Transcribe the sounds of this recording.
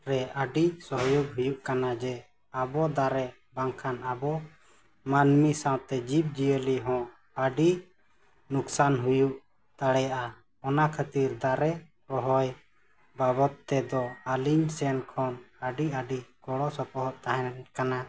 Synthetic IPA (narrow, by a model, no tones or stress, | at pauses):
ɾɛʔəɖisɔɦjɔɡɦujuʔkanad͡ʒɛ | abɔd̪aɾɛ | baŋkʰanabɔ | manmisãwt̪ɛd͡ʒip̚d͡ʒijəliɦɔ̃ʔ | əɖi | nuksanɦujuʔ | t̪aɽɛjaʔa | ɔnakʰət̪iɾd̪aɾɛ | pɔɦɔj | babɔt̪ːɛd̪ɔaliɲsɛnkʰɔnəɖiəɖikɔɽɔsɔpɔɦɔʔt̪aɦɛnkana